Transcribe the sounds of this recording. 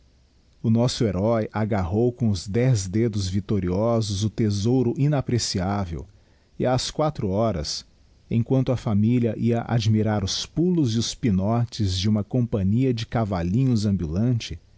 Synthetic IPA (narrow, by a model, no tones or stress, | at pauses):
ʊnɔsʊeɾɔjʔaɡaɦowkõʊzd̪ɛzd̪ed̪ʊzvit̪oɾiɔzʊzʊt̪ezowɾʊʔĩnapɾesiavḛw | ɪaskwat̪ɾʊɔɾɐ̰s | ẽj̃kwɐ̃nt̪ʊafamiliɐʔiɐʔa̰d͡ʒmiɾaɾʊspulʊzɪʊspinɔt͡ʃɪzd͡ʒɪũmɐkõmpɐ̃ɲiɐd͡ʒɪkavalĩɲʊzɐ̃mbulɐ̃t͡ʃɪ